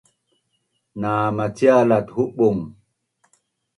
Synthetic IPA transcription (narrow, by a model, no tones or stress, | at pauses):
naːmatialathuɓuŋ